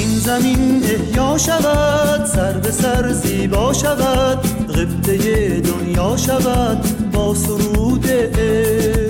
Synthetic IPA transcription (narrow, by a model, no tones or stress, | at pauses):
inzæmine̞hjɒːʃavæd̪sæɾvesaɾziːbɒːʃavæd̪ɣeft̪ʰejed̪onjɒːʃavæd̪bɒːsuɾuːd̪eʔe